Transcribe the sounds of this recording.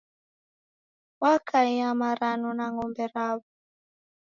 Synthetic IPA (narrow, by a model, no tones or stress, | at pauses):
wakʰaiamaɾanɔnaŋɔmbɛɾaβɔ